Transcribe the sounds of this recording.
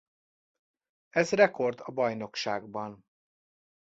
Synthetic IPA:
ɛzrɛko̞rd̪ɒbɒjno̞kʃaːɡbɒn

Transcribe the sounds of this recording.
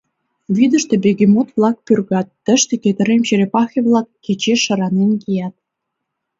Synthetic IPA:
βid̪ə̆ʃt̪ĕbeɣʲemot̪vlˠɑk̚pyrɣɑt̪ːə̆ʃt̪eket̪ə̆ɾemt͡ɕeɾepɑxʲeβlˠɑkːet͡ɕeə̆ɾɑnenkijɑt̪̚

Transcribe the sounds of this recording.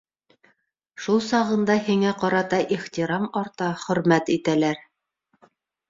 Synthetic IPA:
ʃulˠsɑʁɤ̆nd̪ɑhiŋæqɑɾɑt̪ɑʔiχt̪ʲiɾɑmɑɾt̪ɑχɵ̆ɾmæt̪it̪ælæɾ

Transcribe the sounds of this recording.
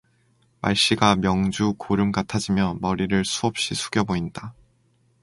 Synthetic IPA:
ma̰ɭɕ͈iɡamjʌŋd͡ʑukoɾɯmɡatʰad͡ʑimjʌmʌɾiɾɯɭsʰuʌp̚ɕ͈isʰu̥ɡjʌboinda

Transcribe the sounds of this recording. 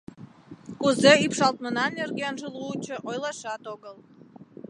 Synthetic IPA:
kuzeipʃɑlt̪mənɑnerɡʲenʒəlˠuːt͡ɕə̆ʔojlˠɑʃɑt̪oɣəlˠ

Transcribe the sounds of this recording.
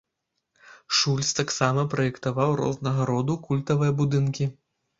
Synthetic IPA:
ʂulʲst̪aksamɐpɾɐjɛkt̪avawɾɔ̰znɐɣɐɾɔd̪ukulʲt̪ɐvɨjɐbud̪ɨnkʲi

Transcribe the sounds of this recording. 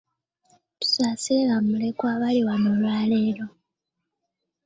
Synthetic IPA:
tu̥saːseɣamulekwaːβaliwanolwaːleːɾo̞

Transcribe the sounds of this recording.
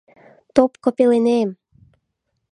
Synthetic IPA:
t̪opkopelenem

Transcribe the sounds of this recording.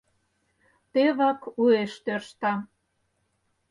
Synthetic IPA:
t̪eβɑkueʃt̪ørʃt̪ɑ

